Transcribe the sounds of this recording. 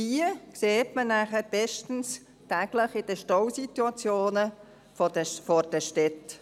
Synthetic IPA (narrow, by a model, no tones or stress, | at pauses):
ikseːtmənæχəɾb̥ɛʃtn̩s | tæɡ̥ləχɪd̥əʃtɔwsit̪wɑt͡sjoːnə | ffɔrd̥əʃtɛt